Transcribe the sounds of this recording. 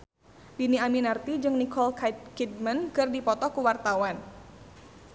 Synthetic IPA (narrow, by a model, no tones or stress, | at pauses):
diniaminart̪id͡ʒɨŋnikɔlkat̪̚kid̚mənkɨrdipɔt̪ɔkuwart̪awan